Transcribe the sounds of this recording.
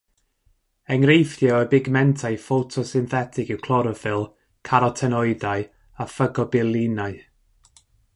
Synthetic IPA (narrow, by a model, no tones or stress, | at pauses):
ɛŋrejfjɔəbɪɡmɛntʰajfotʰɔsɪnθɛtʰɪkɪwkʰlˠɔɾɔfɪlˠ | kʰaɾɔtʰɛnɔɨdaɨ | afəɡɔbɪlˠinaɨ